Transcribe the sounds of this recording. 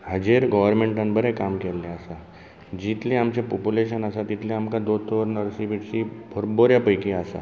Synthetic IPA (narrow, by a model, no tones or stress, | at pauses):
həd͡ʑeɾɡɔʋəɾmeɳʈə̃nbəɾekamkɛlːeəsa | d͡ʑit̪lẽamt͡ɕepopuleɕənəsat̪it̪ʰlẽamkad̪ot̪ːʋəɾnəɾsibiʈsibʱəɾboɾjapəjkĩasa̰